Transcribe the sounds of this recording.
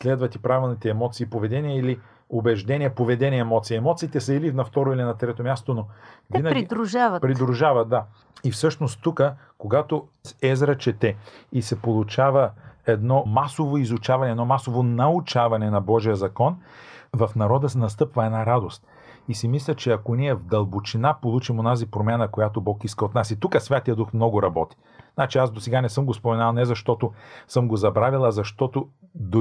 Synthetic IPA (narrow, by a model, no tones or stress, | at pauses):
slɛd̪vɐt̪ipɾavɛlˠnit̪ɛɛmɔt̪siːpovɛd̪ɛniɛili | obɛʒd̪ɛniɛpovɛd̪ɛniɛɛmɔt̪siːɛmɔt̪siːt̪ɛsəilinɐft̪ɔɾoilinɐt̪ɾɛt̪omʲjast̪onovinɐɡɾid̪ɾuʒavətpɾid̪ɾuʒavɐt̪̚d̪a | ifsɤʃnost̪ːukə | koɡat̪osɛzɾət͡ʃɛt̪ɛisɛpolˠut͡ʃavəɛd̪nɔmasovoizʊt͡ʃavɐnɛːd̪nɔmasovonɐut͡ʃavɐnɛnɐbɔʒijəzɐkɔnvɐfnɐɾɔd̪əsɛnɐs̬t̪ɤpvɐɛdnaɾad̪ost̪̚ | isimislʲət͡ʃɛɐkoniɛvd̪ɐlˠbot͡ʃinapolˠut͡ʃimonazipɾomʲjanəkojat̪obɔkiskəot̪nasit̪ukəsvʲjat̪ijəd̪uxmnɔɡʊɾɐbɔt̪i̥ | znat͡ʃiasd̪osɛɡanɛsɤmɡospomɛnalˠnɛzɐʃt̪ɔt̪osɤmɡozɐbɾavilˠɐzɐʃt̪ɔt̪od̪o